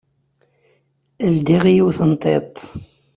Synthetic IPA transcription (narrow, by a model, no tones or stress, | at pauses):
əld̪iʁijiwθənt̪ˤːḛt̪ˤ